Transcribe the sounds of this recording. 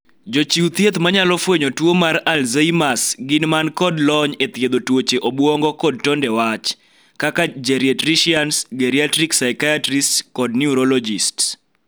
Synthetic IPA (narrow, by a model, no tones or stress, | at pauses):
d͡ʒot͡ʃiut̪jet̪maɲalɔfweɲotwomaɾalzeimasɡɪnmankɔdlɔɲet̪jed̪otwot͡ʃeʔobwɔŋɡɔkɔd̚tɔndɛwat͡ʃ | kakad͡ʒeɾjetɾiʃiansɡeɾiatɾiksaɪkajatɾistkɔdniuɾɔlɔd͡ʒists